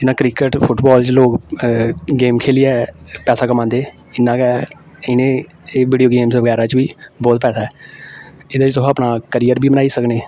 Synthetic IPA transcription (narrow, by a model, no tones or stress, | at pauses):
ɪnːãːkɾɪkəʈpʰʊʈbɔːlt͡ʃloːk | ɡeːmkʰeːliːɛːpɛːsaːkəmãːnd̪eː | ɪnːãːkɛː | ɪnẽː | ʋiːɖioːɡeːmsʋəɡɛːɾãːt͡ʃʋiːbɔːt̪̚pɛːsaːɛː | ɪd̪eːt͡ʃt̪ʊɦaːpnaːkəɾijəɾbʱiːmənaːiːsəkneː